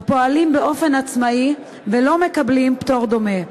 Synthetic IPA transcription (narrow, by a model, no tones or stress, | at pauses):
po̞alimbeo̞fe̞nat͡smai | velo̞me̞kablimpt̪o̞ʁd̪o̞me